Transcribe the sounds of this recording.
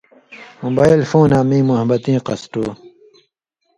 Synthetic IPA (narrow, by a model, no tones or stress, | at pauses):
mobaːilfoːnaːmĩːmuɦɐbɐt̪ĩːqɐsʈuː